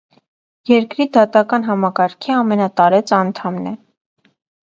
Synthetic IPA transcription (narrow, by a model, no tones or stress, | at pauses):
jɛɾkɾid̪ɑt̪ɑkɑnɦɑmɑkɑɾkʰiɑmɛnɑt̪ɑɾɛt͡sɑnt̪ʰɑmnɛ